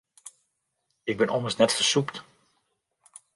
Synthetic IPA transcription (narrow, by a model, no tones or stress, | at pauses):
ɪɡ̚bɪnʔɔməsnɛtfəsukt